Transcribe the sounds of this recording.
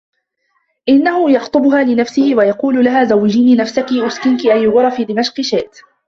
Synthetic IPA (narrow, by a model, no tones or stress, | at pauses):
ʔɪnːahʊjɑxt̪ˤʊbʊhaːlɪnafsɪhɪwajɑquːllaɦaːzawːɪd͡ʒiːniːnafsakiʔʊskɪnkɪʔajːʊɣʊɾˤɑfiːd̪ɪmaʃqɪʃeːʔt̪